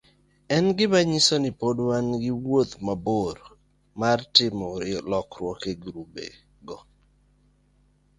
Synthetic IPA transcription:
ɛnɡɪbaɲisonipodwanɡɪwot̪maboɾ | martɪmɔɾɪlɔkɾwɔkeɡɾubḛ | ɡɔ

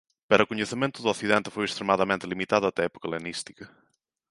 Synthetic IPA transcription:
pɐɾɐkuɲeθemẽnt̪ʊðuaθiðẽnt̪ɪ̥fojest̪ɾemaðɐmẽnt̪ɪlimit̪aðʊɐt̪ɛɛpu̥kɐlenist̪i̥kɐ

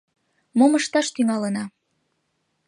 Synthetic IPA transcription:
moməʃt̪ɑʃt̪yŋɑlənɑ

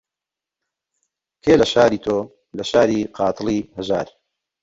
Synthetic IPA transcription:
kʰeːlɐʃaːɾiːt̪ʰoː | lɐʃaːɾiːqʰɑːt̪ʰɨlˠiːhɐʒa̰ːɾ

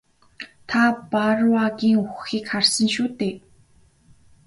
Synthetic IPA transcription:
t̪ʰaparwaɣiːŋuxiːkʰːarsə̆nʃuːt̪eː

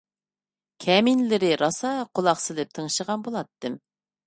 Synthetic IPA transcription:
kʲʰɛminlɪɾɪɾɑsɑqʰolˠɑχsɨlɪp̚t̪ʰəŋʃəʁɑnbolˠɑt̪ːɨm

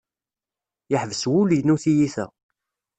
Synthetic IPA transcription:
jəħvəswuljnuθijiθæ̰

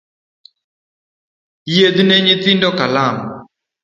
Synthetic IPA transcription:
jed̪ineɲit̪indɔkalam

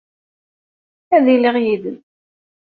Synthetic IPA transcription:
æðiliʁjiðən

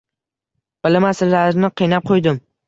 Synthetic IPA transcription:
b̥ɪlɪmasɪlːaɾnɪqʰijnap̚qʰojd̪ɪm

